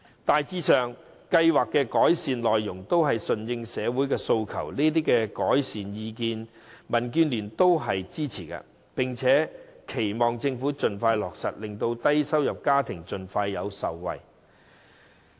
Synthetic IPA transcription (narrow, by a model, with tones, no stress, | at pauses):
t̪aː˨jt͡siː˧sœː˨ŋ | kɐ˧jwaː˨kːɛ˧kɔː˨˥jsiː˨nlɔː˨jːʊ˨˩ŋt̪o˥wɦɐ˨jsɵ˨˩njɪ˧ŋsɛː˨˧wuː˨˥jkɛː˧so˧wkʰɐ̰˨˩wniː˥t̪̬iː˥kɛ˧kɔː˨˥jsiː˨njiː˧kiː˧n | mɐ˨˩nkyː˧nlyː˨˩nt̪o˥wɦɐ˨jt͡siː˥t͡sʰiː˨˩kɐ̰˧ | pɪ˨˩ŋt͡sʰɛː˨˥kʰe˨˩jmɔː˨ŋt͡sɪ˧ŋfuː˨˥t͡sɵ˨nfaː˧jlɔː˨k̚sɐ̰˨t̚lɪ˨ŋt̪o˧wt̪ɐ˥jsɐ˥wjɐ˨p̚kaː˥t̪ʰɪ˨˩ŋt͡sɵ˨nfaː˧jːɐ˨˧wsɐ̰˨wwɐ̰˨j